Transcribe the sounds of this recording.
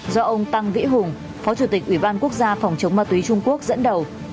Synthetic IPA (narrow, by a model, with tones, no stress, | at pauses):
zɔ˧ʔə˧wŋ͡mt̪a˧ŋvḭ˧˥ɦʊ˨˩ŋ͡m | fɔ˨˦t͡ɕu˧˩t̪i˨˩k̚ʔi˧˩ɓaː˧nku˦˥ək̚zaː˧fa˨˩wŋ͡mt͡ɕə˨˦wŋ͡mmaː˧t̪wi˨˦t͡ɕʊ˧ŋ͡mku˦˥ək̚zə̰˧˥nɗə˨˩w